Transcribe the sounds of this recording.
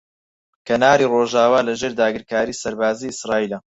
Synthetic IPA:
kɐnaːɾiːroːʒaːwaːlɐʒeːɾd̪aːɡɨɾkaːɾiːsɐɾbaːziːɪsraːiːlɐ

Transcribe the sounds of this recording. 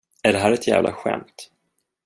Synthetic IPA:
æɖɛɦæːɾɛt̪jæ̰ːvlʔa̰ɧɛ̰mt̪

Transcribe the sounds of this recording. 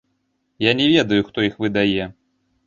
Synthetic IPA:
janʲɛvʲɛd̪ɐjuxt̪ɔixvɨd̪ajɛ

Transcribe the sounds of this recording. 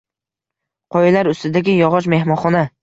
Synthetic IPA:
qʰɒjlaɾʊst̪ɪd̪aɡʲɪjɒʁɒʃ̬me̞hmɒnχɒna

